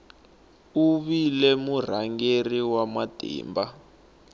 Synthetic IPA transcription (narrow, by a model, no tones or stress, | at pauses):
uβilɛmur̤aŋɡeriwamad̥ʱḭːmba